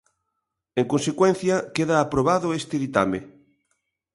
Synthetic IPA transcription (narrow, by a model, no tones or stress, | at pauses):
eŋkonsekwen̟θjɐkeðaːpɾoβaðʊest̪eðit̪a̰me